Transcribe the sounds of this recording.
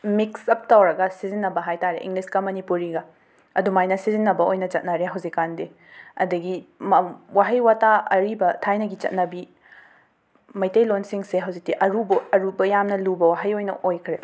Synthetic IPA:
miksɐp̚tawɾɐɡɐsizinːɐbɐɦajtaɾḛʔḭŋɡliskɐmɐnipuɾiɡɐ | ɐdumajnɐsizinːɐbɐojnɐt͡ʃɐt̚nɐɾeɦɐwzikːande | ɐ̰dɐɡimɐwaɦɐjwataɐ̰ɾibɐtʰajnɐɡit͡ʃɐ̰t̚nɐbi | mɐjtejlonsiŋseɦɐwzik̚tiʔɐɾubɐɐɾubɐjamnɐlubɐwaɦɐjojnɐ̰ʔojkʰɾe

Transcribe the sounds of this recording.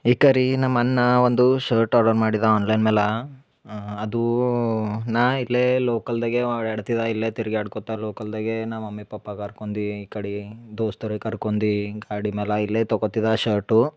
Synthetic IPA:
ikɐɾinɐmɐnːɐʋond̪uʃɐːɾʈɐːɾɖɐɾmaːɽid̪ɐaːnlɐjnmɛːlɐ | ɐd̪u | nailːeloːkɐld̪ɐɡeɐʋɽeɐɽt̪id̪ailːet̪iɾiɡɛaːɽkɔt̪ːaloːkɐld̪ɐɡenaːmɐmːipɐpːɐkɐɾkond̪iiːkɐɽid̪oːst̪ɐɾikɐɾkond̪iɡaːɽimɛːlɐilːet̪ɔɡot̪ːid̪aʃɐɾʈu

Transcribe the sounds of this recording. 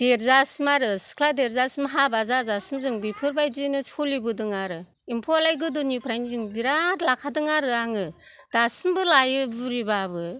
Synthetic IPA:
d̥eɾzasɯmaɾɯsi̥kʰladeɾzasɯmɦabazazasɯmzɯŋbipʰɯɾbajd͡ʒinɯsʰulibɯdɯŋaɾɯ | impʰɔlajɡɯdunipʰɾajnizɯŋbiɾaɾlakʰadɯŋaɾɯaŋɯd̥asɯmbɯlajɯbuɾibabɯ

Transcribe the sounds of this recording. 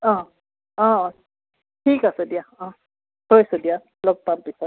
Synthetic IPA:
ɔ̃ | ɔ̃ɔ̃ | ʈʰikasedijaɔ̃ | hojsɔdija | lɔk̚pampisɔt̚

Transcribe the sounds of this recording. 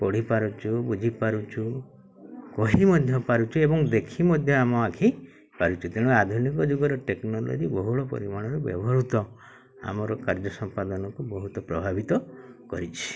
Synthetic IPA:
pɔɽ̤ipaɾut͡ʃʰubud͡ʒʱipaɾut͡ʃʰu | kɔɦimɔd̪ʱjɔpaɾut͡ʃʰuebɔŋd̪ekʰimɔd̪ʱjɔamɔakʰi | paɾut͡ʃʰut̪eɽ̃uad̪ʱunikɔd͡ʒuɡɔɾɔʈeknɔlo̰d͡ʒibɔɦuɭɔpɔ̰ɾimaɽ̃ɔɾɔbjɔ̰bɔɦɔɾut̪ɔ | a̰mɔɾɔkaɾd͡ʒɔsɔmpad̪ɔnɔkubɔɦut̪ɔpɾɔbʱabit̪ɔ | kɔɾit͡ʃʰi̥

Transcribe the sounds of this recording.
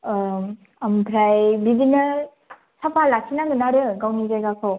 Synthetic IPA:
amkʰɾajbidinɯ | sapʰalasʰinaɡɯnaɾɯɡawnizajɡakʰɯw

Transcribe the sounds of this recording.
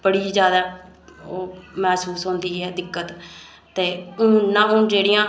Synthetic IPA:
b̥əɽiːzjaːd̪aː | oːmɛːsuːsɦõːnd̪iːɦɛːd̪ɪkːət̪ | t̪ːeːʊːnãːʊ̃ːd͡ʒeːɽɪjãː

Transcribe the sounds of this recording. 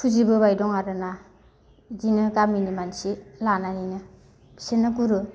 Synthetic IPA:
pʰuzibɯβajdɔŋaɾɯna | zinɯkaminimansilananinɯ | b̥i̥senɯkuɾɯ

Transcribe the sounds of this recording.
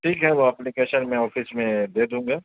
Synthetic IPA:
ʈʰiːkɦɛʋoɐplikeːʃənmɛ̃ɔːfɪsmẽd̪eːd̪ũːŋɡaː

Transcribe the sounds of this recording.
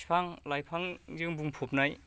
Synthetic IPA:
pʰaŋlajpʰaŋzɯŋbuŋpʰop̚naj

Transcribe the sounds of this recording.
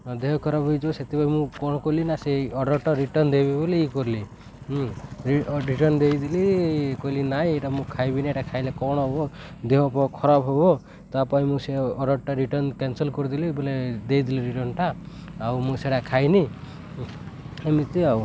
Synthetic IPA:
d̪eɦɔkɔɾabɔjd͡ʒoset̪ipaĩmũkɔɽ̃ɔkolinaseɔɽɔɾʈaɾiʈɔnd̪ebiboleikɔɾlĩ | ɾiɾiʈɔɾnd̪ejd̪ilikoilinaɦĩeʈamũkʰajbinaeʈakʰajlekɔɽ̃ɔɦobɔ | d̪eɦɔpɔkʰɔɾabɦobɔ | t̪apaĩmũseɔɽɔɽʈaɾiʈɔɾnkensɔlkɔɾid̪iliboled̪ejd̪iliɾiʈɔnʈaː | wmũseɽakʰajni | emit̪eaw

